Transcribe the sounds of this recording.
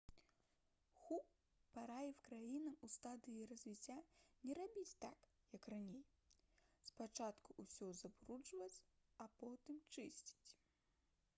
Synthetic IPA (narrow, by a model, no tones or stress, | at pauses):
xup | paɾajɛwkɾajinɐust̪ad̪ɨjirɐzʲvʲit͡sʲːanʲɛɾabʲit͡sʲt̪ak | jɐkranʲej | spat͡ʂat̪kuʔusʲɔzɐbɾut͡ʂvɐt͡sʲɐpɔt̪ɨmt͡ʂɨsʲt͡sʲi̥t͡sʲ